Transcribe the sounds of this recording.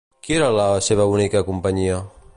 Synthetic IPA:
kieɾalaseβaunikakumpaɲia

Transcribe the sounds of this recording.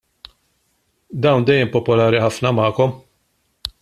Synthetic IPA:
d̪ɐwnd̪ɛjːɛmpɔpɔlɐːɾiħɐfnɐmɐːkɔm

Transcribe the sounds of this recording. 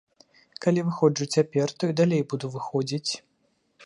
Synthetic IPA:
kalʲivɨxɔd͡ʐut͡sʲapʲɛrt̪ɔid̪alʲejbud̪uvɨxɔd͡zʲit͡sʲ

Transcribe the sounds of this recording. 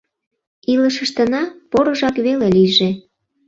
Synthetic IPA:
iləʃəʃt̪ənɑpoɾəʒɑkβeleliʒe

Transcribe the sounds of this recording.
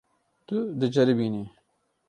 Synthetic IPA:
t̪ʊd̪ɨd͡ʒɐɾibiːni

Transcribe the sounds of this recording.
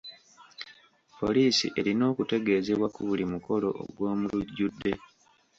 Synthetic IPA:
po̞liːsḭʔe̞ɾino̞ːkute̞ɡe̞ːze̞βwakuβulimuko̞lo̞̰o̰ɡwo̞ːmuluɟːudːe̞

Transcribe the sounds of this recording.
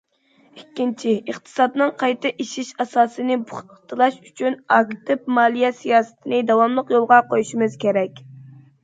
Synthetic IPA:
ikʲːint͡ʃʰiəχt̪ʰɨ̥sɑd̪nɨŋqʰɑjt̪ɨʔiʃiʃɑsɑːsɨnɨbuχt̪ʰɨlˠɑʃyt͡ʃʰynɑkt̪ɪp̚mɑːlˠijɛsijɑːsɨ̥t̪ʰɪnɨd̪ɑwɑmlˠəqjolˠʁɑqojuʃimɨz̥kʲeɾɛkʲ

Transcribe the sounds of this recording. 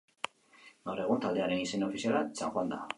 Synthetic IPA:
ɡawre̞ɣ̞unt̪ald̪e̞aɾe̞nisenaofisialasaŋxwand̪a

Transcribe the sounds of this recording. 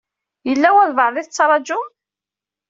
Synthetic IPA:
jəlːæwæðvəʕˤðiθət͡sːɾˤɑd͡ʒʊ

